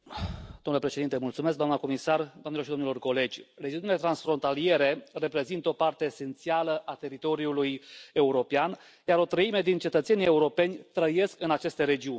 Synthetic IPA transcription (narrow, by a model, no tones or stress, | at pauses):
d̪omulepɾe̞ʃe̞d̪int̪emult̪sumes̬kd̪oamnəko̞misard̪oameloʃid̪omnilo̞rko̞le̞d͡ʒʲred͡ʒiunile̞t̪ɾansfɾo̞nt̪alie̞ɾe̞re̞pɾe̞zint̪əo̞part̪e̞ːse̞nt̪sialəʔat̪e̞ɾit̪o̞ɾiuluje̞uɾo̞pean | jaɾo̞t̪ɾəime̞d̪int͡ʃe̞t̪ət̪se̞nije̞uɾo̞pe̞nʲt̪ɾəje̞skɨnat͡ʃe̞st̪e̞ɾe̞d͡ʒiunʲ